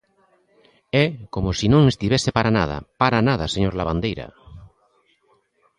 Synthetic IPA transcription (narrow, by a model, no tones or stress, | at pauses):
ɛkomʊsinõŋest̪iβɛsepaɾana̰ðɐ̰paɾanaðɐseɲoɾlaβand̪ejɾɐ̰